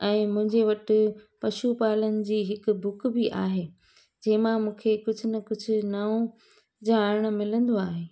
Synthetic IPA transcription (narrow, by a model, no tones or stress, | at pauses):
ɛ̃ːmʊ̃ɦɪ̃ɲd͡ʑeʋɐʈɪpɐʃupaːlənɪ̆d͡ʑiːɦɪkʊbʊkbɪʔaːɦeː | d͡ʑɐɦɪ̃mãmũːkʰekʊd͡ʑʱʊnɐkʊd͡ʑʱʊ̆nɐõ | d͡ʑaːɪɽ̃̆mɪlə̃nd̪oaːɦeː